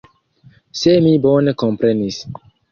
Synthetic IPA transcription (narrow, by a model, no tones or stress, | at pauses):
semibonekompɾenis